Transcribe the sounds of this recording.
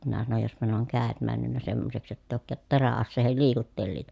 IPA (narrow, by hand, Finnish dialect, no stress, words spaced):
minæ sɑnoj jospɑ ne oŋ kæˑet mænːynːæ semːoseks jotː eˑi oˑŭkːɑːt teræɑsːeːhel liːkutːelːiːtɑ